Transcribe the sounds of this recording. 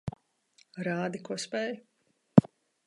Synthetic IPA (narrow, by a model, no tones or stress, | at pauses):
ɾaːd̪ikuɔspɛːj